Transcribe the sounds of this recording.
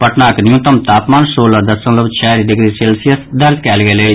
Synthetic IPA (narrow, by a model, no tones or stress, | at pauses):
pəʈnaːknjũːt̪əmt̪aːpmaːnsoːlad̪əsə̃ləbt͡ʃʰɛːɾiɖɪɡɾiːseːlsijəsd̪əɾd͡ʒkɛːlɡɛːlei